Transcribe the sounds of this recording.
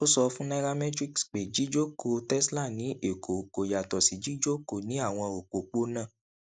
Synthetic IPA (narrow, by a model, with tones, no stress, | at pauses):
o˦sɔ˧fũ˦na˦ɡa˦mɛ̃˦tɾi˦ksk͡pe˨d͡ʒi˨˦d͡ʒo˦ko˧tɛ˦sla˦˨nĩ˨˦ʔe˨kʰo˨ko˨ja˨tɔ˨si˨d͡ʒi˨˦d͡ʒo˦ko˨nĩ˨˦a˦˨w̃ɔ̃˧o˨k͡po˨k͡po˦nã˦˨